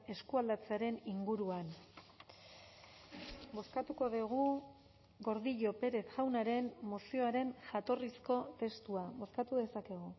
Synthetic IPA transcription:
e̞skuald̪at͡seaɾe̞niŋɡuɾuan | bo̞skat̪uko̞ðeɣ̞u | ɣo̞ɾðiʎo̞pe̞ɾe̞θʝawnaɾe̞nmosio̞aɾe̞nʝat̪o̞risko̞t̪e̞st̪uaβo̞skat̪uðe̞sake̞ɣ̞u

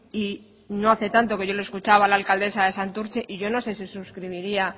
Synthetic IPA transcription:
i | no̞aθe̞t̪ant̪o̞ke̞ʝo̞loe̞skut͡ʃaβaːlaːlkald̪e̞saðe̞sant̪uɾt͡ʃe̞ʔiʝo̞no̞se̞sisuskɾiβ̞iɾia

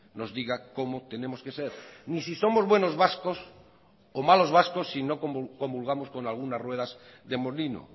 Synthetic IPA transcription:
nozðiɣakomot̪enemoskeseɾnisisomozβwenozβaskos | omalo̞zβ̞askosːinokoko̞mbulɣ̞amosko̞nalɣunasrwe̞ð̞az | ðemolino̰

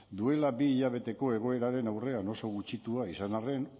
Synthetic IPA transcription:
d̪ue̞labiːʎaβ̞e̞t̪e̞ko̞e̞ɣ̞o̞e̞ɾaɾe̞nawre̞ano̞so̞ɣut͡ʃit̪uaisanare̞n

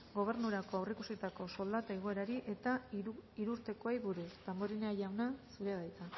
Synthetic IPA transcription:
ɡo̞β̞e̞ɾnuɾako̞awrikusit̪ako̞so̞ld̪at̪aeɣ̞o̞e̞ɾaɾiʔe̞t̪aiɾuuɾt̪e̞ko̞ejβuɾust̪amboɾineaʎawnasuɾeaðajt̪a

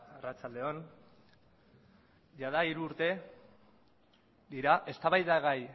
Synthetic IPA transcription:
arat͡sald̪e̞o̞n | ʝað̞aiɾuːɾt̪e̞ | d̪iɾaʔe̞st̪aβajðaɣaj

